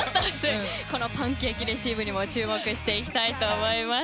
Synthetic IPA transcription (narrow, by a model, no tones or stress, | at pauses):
zɨ | ko̞no̞pãŋkʲeːkʲiɾeɕiːbɯ̟ɲ̟imo̞t͡ɕɨːmo̞kɯ̟ɕi̥t̪e̞ikʲi̥t̪ait̪o̞ːmo̞ima